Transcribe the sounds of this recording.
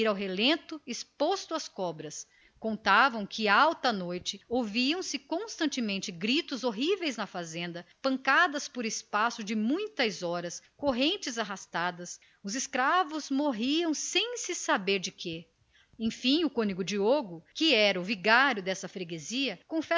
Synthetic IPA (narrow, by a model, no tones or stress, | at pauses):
iɾawɦelẽnt̪ʊɪspost̪ʊɐskɔbɾɐs | kõnt̪avɐ̃w̃kʰɪawt̪ɐnojt͡ʃɪowviɐ̃w̃sɪkõst̪ɐ̃nt͡ʃɪmẽnt͡ʃɪɡɾit̪ʊzoɦivejznɐfazẽnd̪ɐpɐ̃ŋkad̪ɐspʊɾɪspasʊd͡ʒɪmũj̃t̪ɐzɔɾɐskoɦẽnt͡ʃɪzaɦast̪ad̪ɐs | ʊzɪskɾavʊzmoɦiɐ̃w̃sẽj̃sɪsabeɾd͡ʒɪke | ẽj̃fĩʊkõniɡʊd͡ʒioɡʊkɪɛɾɐʊviɡaɾjʊd̪ɛsɐfɾeɡeziɐkõfɛ